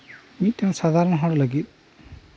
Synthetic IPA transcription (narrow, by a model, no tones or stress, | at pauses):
mitːɛʊ̃sad̪ʱaɹɔnɔɦɔɹɔlaɡit̪̚